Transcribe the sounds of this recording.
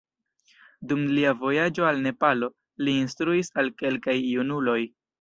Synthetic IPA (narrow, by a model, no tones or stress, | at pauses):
dumliavo̞jad͡ʒo̞alne̞palo̞ | liːnstɾuisalke̞lkajːunulo̞j